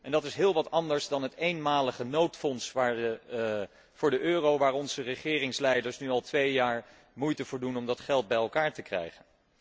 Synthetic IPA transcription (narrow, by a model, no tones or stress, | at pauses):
ʔɛndɑtɪsɦɪːlˠʋɑtɑndəɹzdɑnɦətejnmaːləχənowtfɔnsʋaːɹə | v̥ʊːɹdəʔøːrowʋaːɹɔnzərəχɪːrɪŋslɛjdəɹsnyɑlˠtʋejjaːɹ | mujtəv̥ʊːɹdunɔmdɑtχɛlˠd̚bɛjɛlˠkaːɹtəkrɛ̰jχən